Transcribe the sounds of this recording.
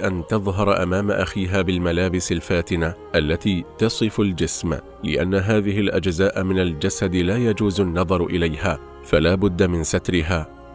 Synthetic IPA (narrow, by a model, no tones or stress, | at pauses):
ʔant̪ɑðˤɦɑɾˤʔa̰maːmaʔaxiːɦaːbɪlmalaːbɪsalfaːt̪ɪnaʔalːat̪iːt̪ɑsˤɨfald͡ʒɪsm | lɪ̰ʔanːaɦaːðɪɦɪlʔad͡ʒzaːʔmɪnald͡ʒasad̪laːjad͡ʒuːzanːɑðˤɑɾˤʔɪlajhaː | falaːbʊd̪ːamɪnsat̪ɾɪɦaː